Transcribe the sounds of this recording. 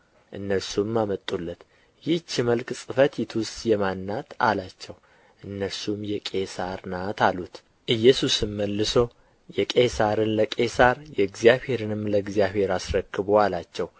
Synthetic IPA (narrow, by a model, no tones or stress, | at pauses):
ʔɨnːəɾsumːamət̪ʼːulːət̪ | jɪht͡ʃːɪməlksʼɨfət̪jit̪ʰustʼjɛmanːat̪a̰lat͡ʃːɛw | ʔɨnːəɾsumjɛkʼe̞saɾnat̪ʰalut̪ | ʔɨjːɛsusɨmːəlːɨso | jɛkʼe̞saɾɨnləkʼe̞saɾjɛɨɡzijaβhe̞ɾɨnɨmːləɨɡzijaβhe̞ɾasɾəkʰːɨβoalat͡ʃːɛw